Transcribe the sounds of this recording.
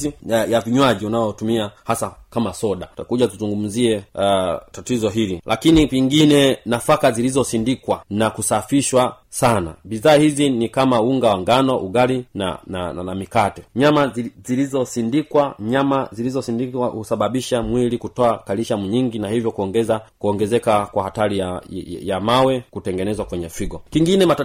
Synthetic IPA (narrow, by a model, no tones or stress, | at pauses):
ijaviɲwaʄiunaɔtumiahasakamasɔɗatakuʄatuzuŋɡum̩ziɛ | tatizɔɦililʔakiniviŋɡinɛnafakazilizɔsindikwanakusafiʃwa | sana̰biðaːhizinikamauŋɡawaŋɡanɔʔuɡalina̰nanamikatɛɲamazilizɔsindikwaɲamazilizɔsindikwahusaɓaɓiʃamwilikutɔakaliʃamuɲiŋɡinahivjɔkuɔŋɡɛzakuɔŋɡɛzɛkakwahatalijajamawɛkutɛŋɡɛnɛzwakwɛɲɛfiɡɔkiŋɡinɛma